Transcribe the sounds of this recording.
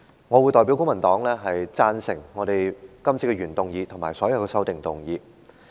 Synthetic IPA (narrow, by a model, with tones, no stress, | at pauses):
ŋɔː˨˧wuː˨˧jt̪ɔː˨jpi˨˥wkʊ˥ŋmɐ˨˩nt̪ɔː˨˥ŋlɛː˥ɦɐ˨jt͡saː˧˥nsɪ˨˩ŋːɔː˨˧ɾe˨jkɐ˥mt͡sʰiː˧˥kːɛ˧ɥyː˨˩nt̪ʊ˨ŋjiː˨˧t̪ʰʊ˨˩maː˨˩sɔː˨˥jɐ˨˧wkɛ˧sɐ˥wt̪ɪ˨ŋt̪ʊ˨ŋjiː˨˧